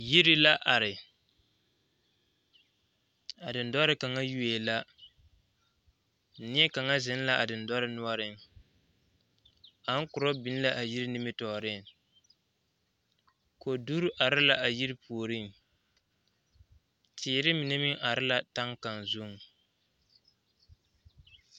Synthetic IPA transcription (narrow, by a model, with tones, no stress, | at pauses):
ji˦ɾɪ˦la˦ʔa˨ɾɪ˨ | a˨dɨ˨ndɔ˦ɾɨ˦ka˨ŋa˦ju˦e˨la˦˨ | nɪ˦ɛ˦ka˨ŋa˦zɪ˨˦n˦la˦ʔa˨dɨ˨ndɔ˦ɾɪ˦nʊ˦ɔ˦ɾɪ˦m˨ | a˨ŋ˦kʊ˨ɾɔ˦bi˦n˦la˦ʔa˨ji˦ɾɪ˦nɪ˦mɨ˦tɔ˨ɾɪ˦ŋ | ko˨du˦ɾʔa˨ɾɪ˦la˨ʔa˨ji˦ɾɪ˦pʰu˨o˨ɾi˦˨ | tʰiː˨ɾɪ˦mɪ˨nɛ˦mi˦ŋʔa˨ɾɪ˦la˨ta˦ŋka˨nzu˦ŋ˨